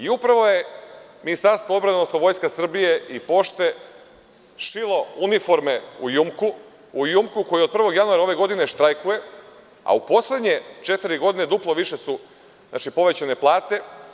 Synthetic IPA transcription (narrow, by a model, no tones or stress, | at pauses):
iupɾaʋo̞je̞minist̪aɾst̪ʋoobɾad̪onosoʋo̞jskasr̩bije̞ʔipo̞ʃt̪e̞ | ʃilˠo̞unifo̞ɾmeujumku | ujumkuko̞jio̞d̪̚pr̩ʋo̞ɡjanuaɾao̞ʋe̞ɡo̞d̪ine̞ʃt̪ɾajkuje̞ | a̰upo̞sle̞d̪ɲe̞t͡ʃe̞t̪iɾiɡo̞d̪ine̞d̪uplˠoʋiʃe̞su | zna̰t͡ʃipo̞ʋe̞t͡ɕane̞plˠaːt̪e̞